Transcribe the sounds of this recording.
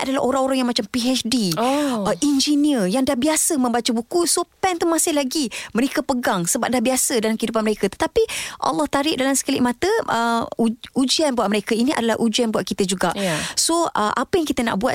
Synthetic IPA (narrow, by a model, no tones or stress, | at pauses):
a̰dalaʔoɾaŋoɾaŋjaŋmat͡ʃampiɛt͡ʃdi | ʔind͡ʒiniəjaŋdahbiasəmə̃mbat͡ʃəbukusopɛnt̪umasɪhlaɡiməɾekapəɡaŋsəbap̚dahbiasədalamkəidupanməɾekat̪ə̥t̪apiʔɑ̰lːɑht̪aɾɪʔ̚dalamsə̥kəlɪ̰ʔ̚mãt̪əʔəuud͡ʒianbuat̪ʔ̚məɾekainiʔa̰dala̰ʔud͡ʒianbuatʔ̪̚kit̪əd͡ʒuɡaʔsoəʔa̰pəjaŋkit̪əna̰ʔbuat̪